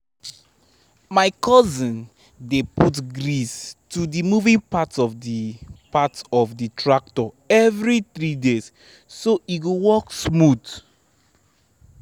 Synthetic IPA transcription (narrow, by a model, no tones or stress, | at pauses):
maɪkʰɔzĩn | deputɡɹistudimuvĩŋpatɔfdipatɔfditʰɹak̚tɔ | ɛvɹiθɹidesː | oʔiɡowɔksmud